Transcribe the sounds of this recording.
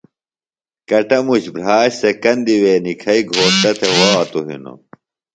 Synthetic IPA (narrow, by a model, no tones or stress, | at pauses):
kɐʈɐmuɕbɾ̤aːɕsekɐnd̪iweːnikʰɐiɡʱoːʂt̪ɐt̪ʰewɐːt̪uɦḭno̰